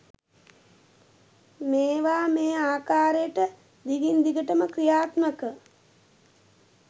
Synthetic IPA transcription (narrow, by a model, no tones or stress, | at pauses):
meːʋaːmeːaːkaːɾejəʈə | d̪iɡind̪iɡəʈəməkɾijaːt̪məkə